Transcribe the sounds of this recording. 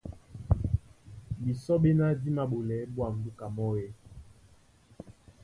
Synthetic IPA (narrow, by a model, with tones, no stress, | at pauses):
bi˨sɔ˦ɓe˦na˦di˦ma˨ɓo˨lɛ˨˦ɓwa˨n̩˨du˦ka˨mɔ˦jɛ˦